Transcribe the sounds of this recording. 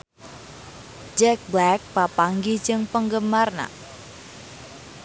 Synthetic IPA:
d͡ʒɛk̚blɛk̚papaŋɡid͡ʒɨŋpəŋɡəmarna̰

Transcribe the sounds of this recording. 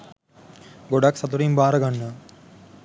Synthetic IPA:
ɡoɖaksɐt̪uɾimbaːɾəɡanːə

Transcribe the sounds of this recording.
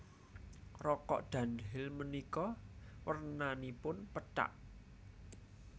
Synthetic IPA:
rɔkɔ̰ʔd̪̥ä̤nɦɪlmənikɔwərnanipʊnpəta̰ʔ

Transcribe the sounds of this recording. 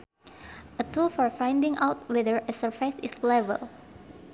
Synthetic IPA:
ʔətulfɔɹfãj̃ndĩŋʔawt̚wɛðəɹəsəɹfaɪsɪslɛvə̰lˠ

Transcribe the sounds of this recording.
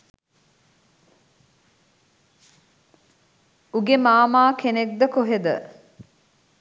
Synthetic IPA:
uɡemaːmaːkenek̚d̪əkoɦed̪ə̰

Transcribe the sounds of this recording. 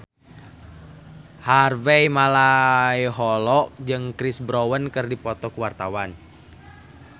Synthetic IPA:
harvejmalaiɦɔlɔk̚d͡ʒɨŋkɾisbɾowənkɨrdipɔt̪ɔkuwart̪awan

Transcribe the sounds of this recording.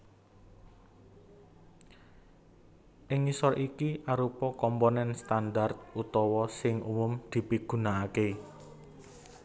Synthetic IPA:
ʔɪŋisɔrʔikiʔaɾupɔkɔmponɛnst̪andart̪̚ut̪ɔwɔsɪŋʔṵmʊmd̪̥i̤piɡ̥ṳnaːke

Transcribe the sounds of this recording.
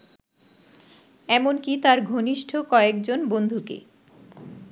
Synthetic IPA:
ɛmonkit̪aɾɡʱoniʃʈʰokɔekd͡ʑonbond̪ʱukḛ

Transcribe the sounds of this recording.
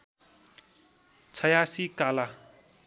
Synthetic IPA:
t͡sʰʌjasikala

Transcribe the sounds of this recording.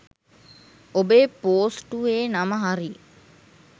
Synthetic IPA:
obeːpoːsʈuʋeːnaməɦaɾi

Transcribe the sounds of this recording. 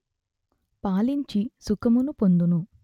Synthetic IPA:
paːliɲt͡ʃisukɐmunupond̪unu

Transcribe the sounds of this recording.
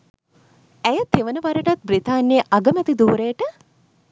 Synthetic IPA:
æjət̪eʋənəʋaɾəʈat̪̚brit̪aːnːeəʔaɡəmɛt̪id̪uːɾejəʈə

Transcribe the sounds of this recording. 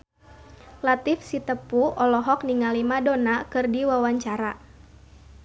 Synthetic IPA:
lat̪ifsit̪əpuɔlɔɦɔkniŋalimadonakɨrdiwawaɲt͡ʃaɾa

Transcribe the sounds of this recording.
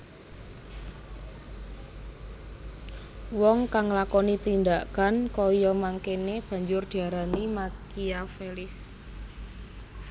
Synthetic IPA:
wɔŋkaŋlakɔnit̪ind̪akankɔjɔmaŋkeneb̥a̤ɲd͡ʒʊrd̪̥i̤aɾanimakiafelɪs

